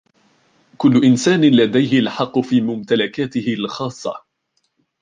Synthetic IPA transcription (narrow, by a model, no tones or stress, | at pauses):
kʊlːʊʔɪnsaːnɪlad̪ajhɪlħɑqːʊfiːmʊmt̪alakaːt̪ɪhɪlxɑːsˤːɑ̰